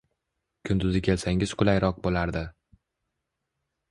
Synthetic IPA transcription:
kʲʰʊnd̪ʊzɪkʲʰe̞lsaŋʲɪzqʰʊlˠajɾɒq̚bolaɾd̪ɪ

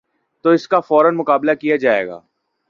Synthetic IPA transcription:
t̪oɪskafɔːɾənmʊkaːblakijad͡ʒaːḛːɡa̰ː

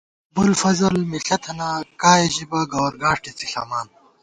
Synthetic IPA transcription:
bulfɐzɐlmiɬɐt̪ʰɐnakaːjeʑibɐɡɐwɾɡaːʂʈit͡siɬa̰ːmaːn

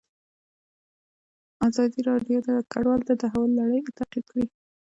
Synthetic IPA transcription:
azɑd̪iɾɑɖjod̪akaɖwɑlt̪ad̪aɦawalːaɽəjt̪aqid̪̚kɽi

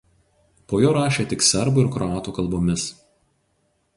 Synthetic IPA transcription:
poːjoːɾɑːʃʲeːt̪ʲɪksʲɛɾbʊɪɾkɾɔɑːt̪uːkɐlˠboːmʲɪs

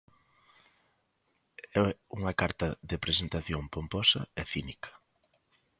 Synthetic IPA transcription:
ɛuŋɐkaɾt̪ɐðepɾesent̪aθjoŋpompɔsɐ̰ɛθinikʰɐ̥

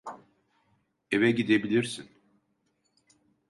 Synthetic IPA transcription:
evɛɟid̪ebilʲiɾsin

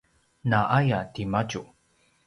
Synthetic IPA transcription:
naʔajatimat͡ʃu

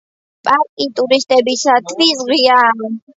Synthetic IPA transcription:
pʼaɾkʼit̪ʼuɾist̪ʼɛbisat̪ʰvizʁia

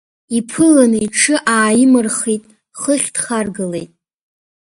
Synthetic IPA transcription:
ipʰɨlanɨiʈ͡ʂʰɨʔaːjɪmɨrχijtʼ | χəχʲd̥χarɡɨle̞jtʼ

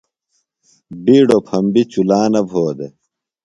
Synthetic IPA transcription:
biːɖopʰɐmbit͡ɕulaːnɐbʱoːd̪e

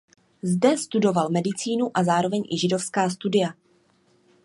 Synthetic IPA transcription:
zdɛst̪udo̞valmɛdɪt͡siːnuʔazaːɾo̞vɛɲʔɪʒɪdo̞fskaːst̪udɪja

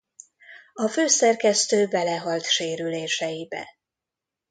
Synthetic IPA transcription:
ɒføːsɛrkɛst̪øːbɛlɛɦɒlt̪ʃeːɾyleːʃɛjibɛ̰

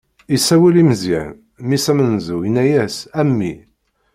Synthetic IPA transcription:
isæwælimzḭʕ | misæmənzujənːæjæsæmːi

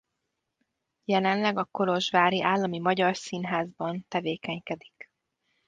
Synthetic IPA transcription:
jɛlɛnlɛɡɒko̞lo̞ʒvaːɾiʔaːlːɒmimɒɟɒrsinɦaːzbɒnt̪ɛveːkɛɲkɛd̪ik

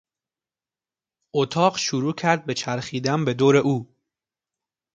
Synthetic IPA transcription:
ot̪ʰɒːɢʃuɾuːcʰæɾd̪̚be̞t͡ʃʰæɾχiːd̪ænbe̞d̪oːɾe̞ʔuː

